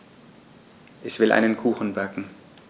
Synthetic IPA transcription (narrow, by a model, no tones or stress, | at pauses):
ʔɛçv̥ɪlʔa̰ɪnənkʰuːxn̩bakŋ̩